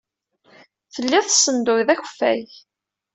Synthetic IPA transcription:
θəlːiθsːənd̪ʊjðæçəfːæ̰j

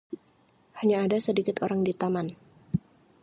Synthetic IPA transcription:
haɲaːdasədikɪt̪ʰoɾaŋdit̪aman

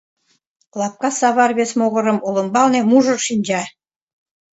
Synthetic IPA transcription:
klˠɑp̚kɑsɑβɑrβesmoɣɤ̆ɾɤ̆mulˠɤ̆mbɑlnemuʒɤ̆rʃinʲd͡ʑɑ

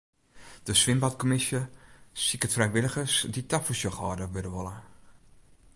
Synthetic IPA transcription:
d̥əsʋɪmbatkomɪsjəsikətfrɛjʋɪləɣəsditafusjəxɔːdəʋødəʋolˠə

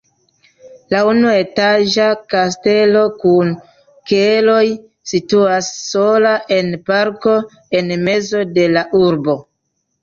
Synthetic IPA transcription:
launue̞taʒakas̬te̞lo̞kun | kelo̞j | situasːo̞laʔe̞npaɾko̞ | e̞nme̞zo̞de̞laʔuɾbo̞

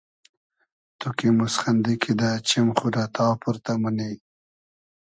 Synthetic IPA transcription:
t̪ukimusχand̪ikʰid̪at͡ʃɪmχuɾat̪ʰɑːpuɾt̪amuni

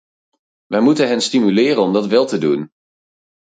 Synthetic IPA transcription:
ʋɛjmutənɦɛnstimylɪːrənɔmdɑtʋɛlˠtədun

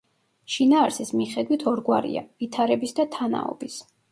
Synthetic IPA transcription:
ʃinaːɾsismiχɛd̪wit̪ʰɔɾɡwaɾḭa̰vit̪ʰaɾɛbisd̪at̪ʰana̰ɔ̰bis

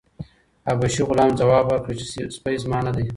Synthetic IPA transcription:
abaʃiɣʊlɑːmd͡zawɑːbwəɾkɽit͡ʃe̥sspajzmɑːnad̪aj

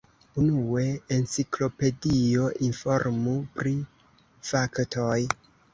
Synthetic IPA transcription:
unue̞ent͡siklo̞pe̞dio̞ʔinfo̞ɾmupɾi | faktʰo̞j

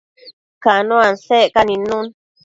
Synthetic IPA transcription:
kanõansekanĩnũn

